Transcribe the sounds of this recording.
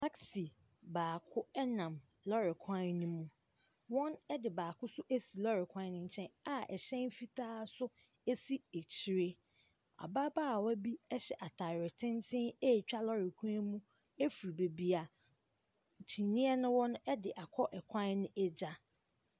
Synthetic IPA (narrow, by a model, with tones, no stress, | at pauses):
tʰa˦ksi˨ | baː˨kʰʊ˦ɛ˦nã˨m | lɔ˦ɾɪ˨kʰã˦nũ˦mũ˦ | wɔ̃˦nɛ˦dɪ˨baː˨kʰʊ˦sʊ˦ʔe˦si˨lɔ˦ɾɪ˨kʷʰã˦n˦nʊ̃˦ɲ̩˨t͡ɕʰɛ̃˦na˨ʔɛ̰˨ɕɛ̃˦n˦fi˦tʰaː˦sʊ˦ | e˦si˦e˨t͡ɕʰi˦ɾe˦ | a̰˨ba˦baː˦˨wɔ˦bi˦ɛ˦ɕɛ˨ʔa˨tʰa˨ɾɪ˨tʰɪ̃˦ntʰɪ̃˦e˦˨t͡ɕᶣa˦lɔ˦ɾɪ˨kʷʰã˦nmũ˦ | e˦fu˨ɾi˨be˨bi˨a˨ | t͡ɕʰi˨nĩ˦ɛ˦nʊ̃˦wɔ̃˦n˦ɛ˦dɪ˨ʔa˨kʰɔ˦ʔɛ˨kʷʰã˦nnɪ̃˦ʔɛ˦d͡ʑa˦